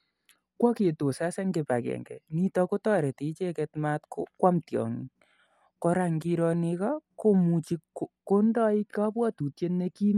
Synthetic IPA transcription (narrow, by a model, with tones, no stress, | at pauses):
kwɔ˦ke˨to˨sa˦sɛ˦ŋɡe˨pa˨kɛ̰˨ŋɡɛ̰˨ni˦tɔ˧ko˦tɔ˦ɾɛ˨ti˨˦t͡ʃɛ˦kɛ˧tma˦tkokwa˦mtjɔ̰˨ŋ | kɔ˧ɾa˦ŋɡi˧ɾɔ˧nɪ˧kɔ˦ko˦mu˨t͡ʃi˦ko˦ndɔ˦i˦ka˦pwɔ˦tu˨tje˦nːe˦ki˦n